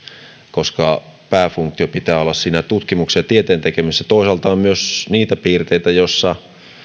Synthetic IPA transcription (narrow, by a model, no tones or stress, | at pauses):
koskɑpæːfuŋkt̪iopit̪æːolːɑssiːnæt̪ut̪kimuksejɑt̪iet̪eːnt̪ekemisːæt̪oˑisɑlt̪ɑːmmyøsniːt̪æpiːrt̪eit̪æjosːɑ